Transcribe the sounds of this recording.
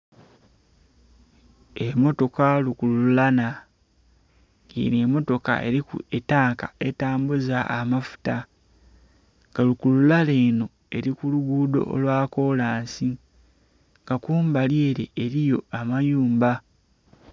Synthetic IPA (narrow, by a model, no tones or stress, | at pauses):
emo̞to̞kalukululana | ɡḭːnemo̞to̞ka̰e̞̰ɾikṵetaːŋka̰e̞taːmbuzaːmafu̥ta | ŋɡalukululale̞ːno̞ | e̞ɾikuluɡuːdo̞̰o̰lwaːko̞laːnsi | ŋɡakuːmbalje̞ːɾḛːɾijo̞amajuːmba